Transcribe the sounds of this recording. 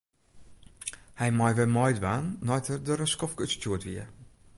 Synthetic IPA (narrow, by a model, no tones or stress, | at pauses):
hɛjmɔjʋɛmɔjdʋaːnːɔjtʰərdɔɾəskɔfkøstjuətʋiə